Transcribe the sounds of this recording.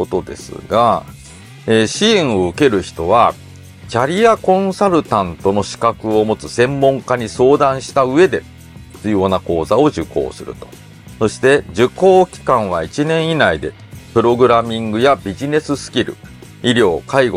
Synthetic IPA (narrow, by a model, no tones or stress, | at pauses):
ot̪o̞d̪e̞̰sɨ̰ɡa | eːɕĩːɰ̃o̞ɯ̟ke̞ɾɯ̟çi̥t̪o̞βa | t͡ɕaɾʲiakõ̞ɰ̃saɾɯ̟t̪ãnt̪o̞no̞ɕi̥kakɯ̟o̞mo̞t͡sɨsẽ̞mːõ̞ŋkaɲ̟iso̞ːd̪ãɰ̃ɕi̥t̪aɯ̟e̞d̪e̞ | t͡sɨjo̞nako̞ːzao̞ʑɨko̞̰ːsɨɾɯ̟̰t̪o̞̥ | so̞ɕi̥t̪e̞d͡ʑɨko̞ːkʲi̥kãɰ̃βait͡ɕinẽ̞ɰ̃inaid̪e̞̰ | pɯ̟ɾo̞ɡɯ̟ɾamʲĩŋɡɯ̟jabʲiʑine̞sɨsɨ̥kʲiɾɯ̟̰ | iɾʲjo̞ːkaiɡo